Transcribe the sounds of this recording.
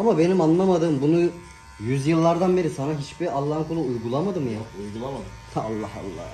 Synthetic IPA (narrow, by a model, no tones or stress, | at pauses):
amabe̞nimanlamad̪ɯːmbunu | jyzjɯlˠːaɾd̪anbe̞ɾisanaɦit͡ʃbialˠːaːɦɯnkʰolˠuujɡulˠamad̪ɯmjaujɡulˠamad̪ɯ | alˠːa̰ha̰lˠːa̰ː